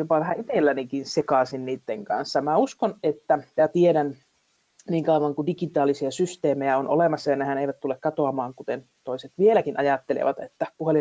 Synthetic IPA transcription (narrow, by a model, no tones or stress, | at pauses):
jopɑʋæhæit̪elːænikinsekɑsinniːt̪ːeŋkɑ̰nsːɑmæuskonet̪ːæjæt̪ieɾæn | niːŋkɑuʋɑŋkudikit̪ɑːlisiɑsyst̪eːmejæonʔo̰lemɑsːɑjɑnehæneiʋæt̪t̪ulːekkɑt̪oɑmɑːŋkut̪en | t̪oiset̪ʋielækinʔɑjɑt̪ːelḛʋɑt̪ḛt̪ːæpuheli